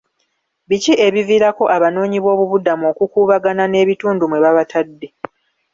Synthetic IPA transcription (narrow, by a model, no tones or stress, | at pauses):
βicie̞βiviːɾako̞ʔaβano̞ːɲiβo̞ːβuβudamo̞ːkukuːβaɡanane̞ːβituːndumwe̞βaβatʰadːe̞